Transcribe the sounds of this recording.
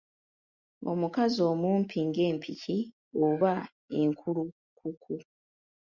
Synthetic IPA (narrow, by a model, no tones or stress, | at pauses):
o̰mukazo̞ːmuːmpʰiːŋɡe̞ːmpʰici | oβa | e̞ŋkʰulu | kʰukʰu